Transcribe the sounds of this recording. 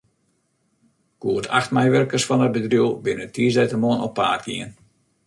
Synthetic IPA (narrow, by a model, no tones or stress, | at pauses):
kuətʰaxtmɛjʋɛrkəsfɔnəd̚bədrjuəbɪnətʰiəzdɛjtəmoənɔpːa̰ːtɡiən